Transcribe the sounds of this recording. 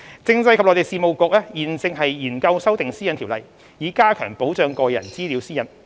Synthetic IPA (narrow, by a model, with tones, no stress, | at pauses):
t͡sɪ˧ŋt͡sɐ˧jkʰɐ˨p̚lɔ˨˧˥te˨jsiː˨˧mo˨wkɔː˧k̚ɛː˥jiː˨˩nt͡sɪ˧ŋɦɐ˨jjiː˨˩nkɐ˧wsɐ˥wt̪ɪ˨ŋsiː˥jɐ˨nt̪ʰiː˨˩wlɐ˨˩j | jiː˨˧kaː˥kʰœː˨˩ŋpo˨˥wt͡ʃœː˧ŋkɔː˧jɐ̰˨˩nt͡siː˥li˨˧˥wsiː˥jɐ˨˧˥n